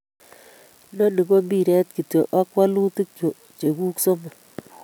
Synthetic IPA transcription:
no˦ni˨ko˦mbi˦˨ɾɛ˦t̚ki˨to˨ʔa˦kwa˦lu˦tɨ˦k̚t͡ʃo˨ | t͡ʃe˨ku˦kso˦mo˨

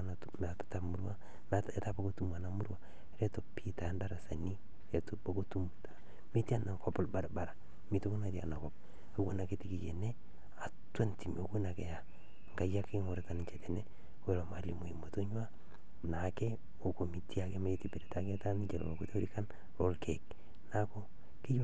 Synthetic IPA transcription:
natmapḁtamu˦ɾwa˦ | meta˦pako˦tu˦ma˨namu˦ɾwa | ɾe˦to˨pʰita˨ndaɾa˨sa˨ni˦ | e˨tobako˦tu˦mta˨ | mi˦ti˦a˦na˨kɔpɔ˨lba˨ɾba˨ɾa | mi˦to˦ko˦na˨tia̰˨na˨kɔp̚ | ekwo˦na˨ketiki˨jḛ˨ne˦ | a˨twe˦nti˨mo˨ko˦na˨ke˨ja˨ | ŋɡa˨ja˦kɪ˦ŋo˨ɾeta˨ni˨ɲt͡ʃɛtene˦ | we˨lo˨ma˨limo˨i˨mo˨to˦ɲwa˦ | na˨ke˦ | o˨ko˨mi˨ti˦a˨ke˦ma˦etipe˨ɾetake˦ta˦n˦t͡ʃe˨lo̰lo˨ku˦te˦o˦ɾi˦ka˦n | ɾo˦lkʰek̚ | na˦ko˦ | ki˦j

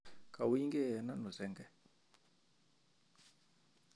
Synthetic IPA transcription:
kʰa˨wi˦ŋɡɛ˦ɛ˨na˦nu˨zɛ˦ŋɡɛ˦

